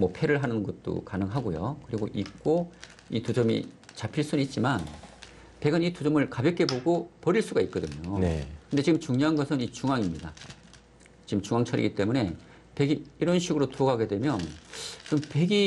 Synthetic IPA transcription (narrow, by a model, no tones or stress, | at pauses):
mʌpʰe̞ɾɯɭɦanɯnɡʌt̚t͈o̰kanɯŋɦaɡojo̰kɯɾiɡoʔik̚k͈o | itud͡ʑʌmḭt͡ɕapʰiɭs͈unit̚t͡ɕ͈iman | pe̞ɡɯnitud͡ʑʌmɯɭkabjʌk͈e̞boɡopʌɾiɭs͈uɡait̚k͈ʌdɯɲonekɯnde̞t͡ɕiɡɯmt͡ɕuŋɲoɦanɡʌsʰɯnit͡ɕuŋaŋimɲida | t͡ɕiɡɯmt͡ɕuŋaŋt͡ɕʰʌɾḭɡit͈e̞mune̞ | pe̞ɡiiɾʌnɕʰiɡɯɾotoʌɡaɡe̞dwe̞mjʌnt͡ɕimpe̞ɡi